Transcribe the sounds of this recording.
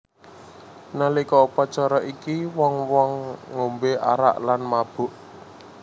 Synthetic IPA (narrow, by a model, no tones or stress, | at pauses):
nalikɔupɔt͡ʃɔɾɔʔikiwɔŋwɔŋːombeʔa̰ɾa̰ʔlanmab̥ʊ̤ʔ